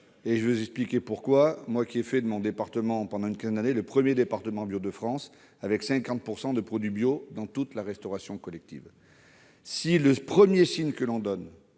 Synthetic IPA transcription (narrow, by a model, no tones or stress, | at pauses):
eʒəvøzɛksplikʲepuʁkwamwakʲiɛfɛd̪əmɔ̃d̪epaʁt̪əmɑ̃pɑ̃d̪ɑ̃ynkʲɛ̃zɛnd̪aneləpχəmjed̪epaʁt̪əmɑ̃bjod̪əfχɑ̃s | avɛksɛ̃kɑ̃t̪̚puʁsɑ̃d̪əpχɔd̪ɥibjod̪ɑ̃t̪ut̪laʁɛst̪ɔʁasjɔ̃kɔlɛk̚t̪ḭv | siləpχəmjesiɲkəlɔ̃d̪ɔn